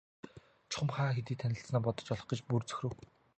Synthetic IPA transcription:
t͡ɕʰʊ̥χə̆mχaːxet̪̬iːt̪ʰːænʲɪ̆ɬt͡snaːpɔt̪ɞ̥̆t͡ɕɔɮɞ̆χɡĕt͡ɕpurt͡sɵ̥xʲɾɘ̆w

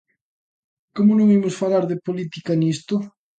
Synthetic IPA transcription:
komʊnõŋimʊsfalaɾðɪpolit̪ikanist̪ʊ

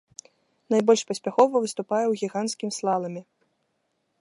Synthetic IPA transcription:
najbɔlʲʂpɐsʲpʲaxɔvɐvɨst̪upajɛwɣʲiɣanskʲimʲslˠalˠɐmʲi

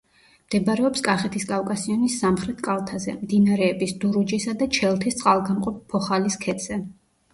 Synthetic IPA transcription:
d̪̥ɛbɾɛɔpskʼaχɛt̪ʰiskʼafkʼasiɔnisːamχɾɛt̪ʰkʼalˠt̪ʰazɛ̰md̪inaɾɛːbisd̪uɾud͡ʒisad̪at͡ʃʰɛlˠt̪ʰist̪sʼalˠɡamqʼɔppʰːɔχaliskʰɛt̪z̥ɛ

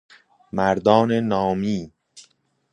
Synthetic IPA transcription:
mæɾd̪ɒːnenɒːmiː

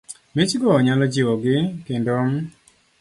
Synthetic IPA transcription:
mɪt͡ʃɡɔːɲalɔd͡ʒɪwɔɡɪkendom

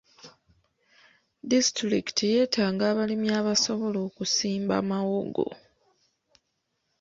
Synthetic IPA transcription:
distɾiki̥tʰije̞ːtʰaːŋɡaːβalimjaːβaso̞βo̞lo̞ːkusiːmba̰ːmawoɡo̰

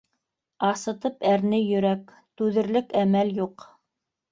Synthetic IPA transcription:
ɑsɤ̆t̪ɤpæɾnɘjɵ̆ɾæk | t̪ʉðɘ̆ɾlɘkæmæljuq

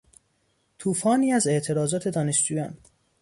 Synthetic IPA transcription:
t̪ʰuːfɒːniːæze̞ʔt̪ʰe̞ɾɒːzɒːt̪ʰe̞d̪ɒːne̞ʃd͡ʒuːjɒːn

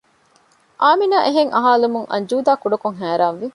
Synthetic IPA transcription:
ʔaːminaːʔeɦeŋʔɐɦaːlumuŋʔɐ̰ɲd͡ʒuːd̪aːkuɖɐkuŋɦæːɾaːnʋi

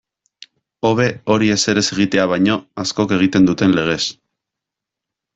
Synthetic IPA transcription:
o̞βe̞o̞ɾie̞se̞ɾe̞se̞ɣ̞it̪e̞aβ̞ajɲo̞asko̞ke̞ɣ̞it̪e̞nd̪ut̪e̞nle̞ɣ̞e̞s

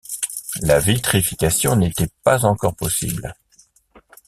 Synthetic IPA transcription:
lavit̪χifikʲasjɔ̃net̪ɛpazɑ̃kɔʁpɔsḭbl

